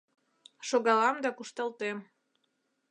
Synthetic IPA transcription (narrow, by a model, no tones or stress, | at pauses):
ʃoɣɑlɑmd̪ɑkuʃt̪ɑlt̪em